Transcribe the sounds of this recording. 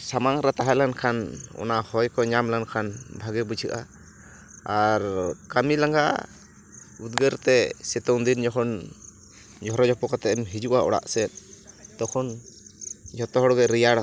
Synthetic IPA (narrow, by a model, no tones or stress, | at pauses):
samaŋɾat̪aɦalankʰanɔ̰nahɔjkɔɲamlankʰanbʱaɡɛbut͡ʃʰɯʔa̰ː | ɾkamilaŋɡa̰ʔ | ud̪̚ɡəɾt̪ɛsɛt̪ɔnd̪ind͡ʒɔkʰɔn | d͡ʒɔɾɔd͡ʒɔpɔkat̪ɛɛmɦid͡ʒuʔaɔ̰ɽa̰ʔsɛt̪̚d̪ɔkʰɔn | d͡ʒʱɔt̪ɔɦɔɽɔɡɛɾijaɽɔ